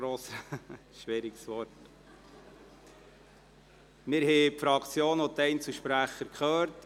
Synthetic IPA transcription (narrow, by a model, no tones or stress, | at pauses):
ɾoːs | ʃʋɪɾiɡsʋɔɾt | mɪɾhɛpfɾɑkt͡sjoːnɔt̪ɛɪnt͡suʃpɾæχəɾkχœːɾt